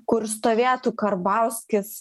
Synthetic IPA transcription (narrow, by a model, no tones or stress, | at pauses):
kʊɾst̪oːʋʲeːt̪ukɐɾbɑʊsʲkʲɪs